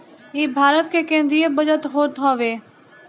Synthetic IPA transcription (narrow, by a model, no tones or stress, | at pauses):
ɦiːbʱaːɾət̪kʰeːkẽːn̆d̪ɾiebəd͡ʒət̪ɦoːɾt̪ʰaːʋeː